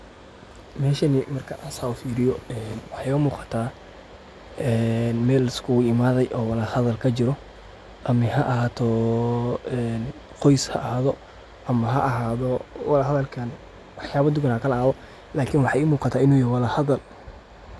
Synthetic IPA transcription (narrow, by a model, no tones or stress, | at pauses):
mɛːʃɐnɪmɐrkʰɐʔasaːʊfiːɾɪjɔɛnwɑħɑjʊmuːqɑ̥t̪ʰaː | ʔɛnmɛːlɪskʰuɪmaːðɛjʔɔːwɑlɐhɐðɐlkʰɐt͡ʃɪɾɔ | ʔɐmɪɦɐʔɐhaːt̪ʰɔ | ɛn | qɔjshɐ̰haːðɔ | ʔɐmɐɦɐʔːɦaːðɔwɑlɐɦɐðɐlkʰɐn | wɑħjaːβɐd̪ʊɡɐnhakʰɐlɐhaːðɔ | laːkʰɪnwɑħɑjʊmuːqɑt̪ʰaːɪnuːjɛwɑlɐhɐðɐl